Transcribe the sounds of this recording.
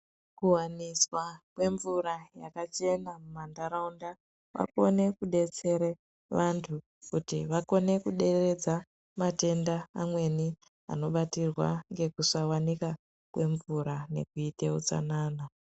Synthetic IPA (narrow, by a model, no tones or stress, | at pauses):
kuwaniswakwe̞ɱvuɾajakat͡ʃe̞namumandaɾaunda | wa̰ko̞ne̞kuɗe̞t͡se̞ɾe | ʋantʰu | kutiʋako̞ne̞kuɗe̞re̞d͡za | mate̞ndaːmwe̞ni | a̰no̞ɓatirwa̰ŋɡe̞kusawanika | kwe̞ɱvuɾane̞̰kuite̞ṵt͡sa̰naːna